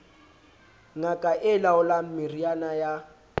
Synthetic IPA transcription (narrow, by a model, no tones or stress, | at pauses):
ŋakʼaʔɪlaʊlam̩mirianaja